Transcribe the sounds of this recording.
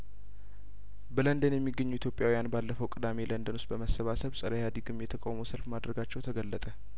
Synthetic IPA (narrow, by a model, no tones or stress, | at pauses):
bələnd̪ənjɛmːiɡːəɲːuit̪jo̞pʼjawijanbalːəfəwkʼɨd̪ame̞lənd̪ənust̪bəməsːəβasəβsʼəɾajad̪iɡɨmːjɛt̪ʰəkʼawməwsəlfmad̪ɾəɡat͡ʃːɛwt̪ʰəɡəlːət̪ʼə